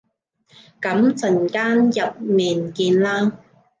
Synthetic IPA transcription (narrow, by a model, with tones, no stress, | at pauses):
kɐ˨˥mt͡sɐ˨˩nkaː˥njɐ˨˩p̚miː˨˩nkiː˧nlaː˥ŋ